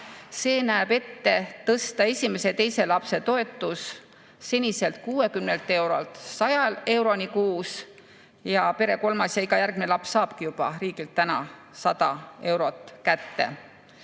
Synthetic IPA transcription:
se̞ːnæebe̞t̪ːe̞t̪ɤst̪ɑe̞sʲime̞se̞t̪e̞jse̞lɑpse̞t̪o̞e̞t̪ːˑusː | e̞nʲise̞lt̪̚kuːe̞kymnelt̪ːˑe̞wɾo̞lt̪sɑjɑle̞wɾo̞nikuːs | jɑpe̞ɾe̞ko̞lmɑsjɑiɡɑjærɡ̥̚minelɑpsːɑːb̥kijub̥ɑ̰ɾiːɡilt̪ːænɑ̰ | sɑd̪ɑ̰e̞wɾo̞t̪ˑkæt̪ːe̞̰

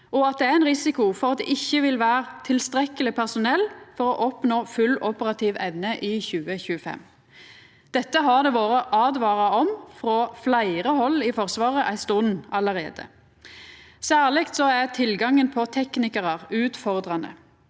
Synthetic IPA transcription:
ɔɑt̪̚d̪ɛææɪnʁɪsɪkʊfɔʁɑt̪̚d̪ɛ̰ʔɪçːəʋɪlʋæːʁt̪ʰɪlst̪ʁɛkəlɪpʰæʁsʊnɛlːfɔʁɔʔɔpnoːfʉlʔʊpəʁɑt̪ʰiːʋɛʋnəʔɪçʉːəçʉːəfɛ̰m | d̪̥ɛt̪ːəɦɑd̪ɛʋoːɾəʔɑːd̪ʋɑːʁɑɔmfʁoːflæɪʁəhɔlːɪfɔʁsʋɑːʁəʔæɪst̪ʊnɑləʁḛːd̪ə̰ | sæːʁlɪkt̪sɔæʁt̪ʰɪlɡɑŋənpʰɔt̪ʰɛknɪkəʁɑʁʉːt̪fɔʁd̪ʁɑnə̰

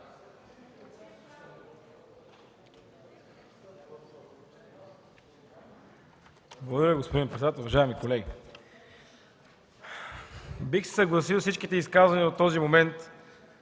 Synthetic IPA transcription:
blˠəɡod̪ɐɾəɡospod̪inpɾɛt̪d̪at̪ɛlˠvɐʒaɛmikolɛɡi | bixsɛ̥səɡlˠɐsilˠfsit͡ʃkit̪ɛiskazvɐniot̪ːɔzimomɛnt̪

